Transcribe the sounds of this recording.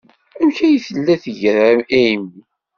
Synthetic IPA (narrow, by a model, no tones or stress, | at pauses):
æmçæjiθəlːæθəʝəɾææimːi